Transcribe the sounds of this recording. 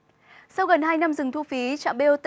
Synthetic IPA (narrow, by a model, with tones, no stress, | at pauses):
sa˧wɣə˨˩nhaː˧jna˧mzɨ˨˩ŋt̪ʰu˧fi˨˦t͡ɕa̰ː˧˨mɓe˧o˧t̪